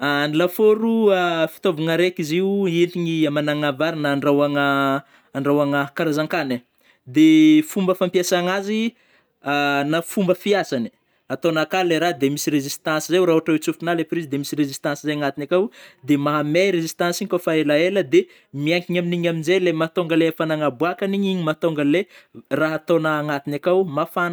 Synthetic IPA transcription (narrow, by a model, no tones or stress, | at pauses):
anilafoɾuafi̥t̪ovuŋaɾekiziueliŋiamanaŋavaɾinəːɳɖ͡ʐawaŋəː | ɳɖ͡ʐawaŋəkaɾazaŋkanə | d̪efumbəfampijasaŋazi | anafumbəfiasani̥ | at̪onakaleɾad̪emisirezist̪ãnsizewɾaoʈ͡ʂawet͡sufunalepɾizd̪emisirezist̪ãnsizajaŋat̪inakawd̪emaɦameɾezist̪ãnsiŋkofaelaeləd̪e | miaŋkiɲaminiɲaminzelemat̪oŋɡəlefanaŋabuakaniɲiɲimat̪oŋɡəleraɦat̪onəːŋat̪inakawmafan